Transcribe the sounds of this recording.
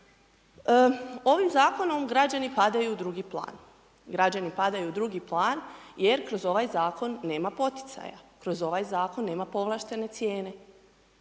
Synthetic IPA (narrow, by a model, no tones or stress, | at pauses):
o̞ʋimzaːko̞no̞mɡɾad͡ʑanipad̪ajuːd̪ɾuɡiplˠa̰ːn | ɡɾad͡ʑanipad̪ajuːd̪ɾuɡiplˠaːnje̞ɾkɾo̞zo̞ʋajzaːko̞nːe̞ːmapo̞t̪i̥t̪sa̰ja̰kɾo̞zo̞ʋajzaːko̞nːe̞ːmapo̞ʋlˠaːʃt̪e̞ne̞t̪sje̞ːne̞